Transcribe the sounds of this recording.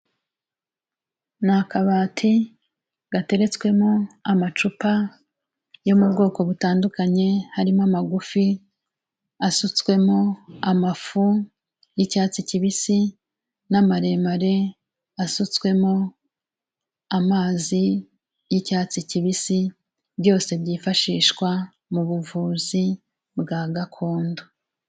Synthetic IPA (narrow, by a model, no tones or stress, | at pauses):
nakaβaːtʰi | ɡ̥ate̞ɾe̞t͡skwe̞mo̞amat͡ʃupa | jo̞mubɡo̞ːko̞βutaːndukaɲe̞haɾimamaɡufi | asut͡swe̞mo̞amafu | jicaːt͡siciβisi | namaɾe̞maɾe̞ | asut͡swe̞mo̞ | amaːzi | jicaːt͡siciβisi | bjo̞ːse̞bjiːfaʃiːʃkwa | muβuvuːzi | bɡaːɡakʰo̞ːndo